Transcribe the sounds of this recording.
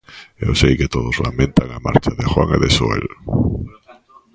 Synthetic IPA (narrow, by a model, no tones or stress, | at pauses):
ewsejket̪oðozlamẽnt̪aŋama̰ɾt͡ʃaðexwa̰ŋeðesoḛl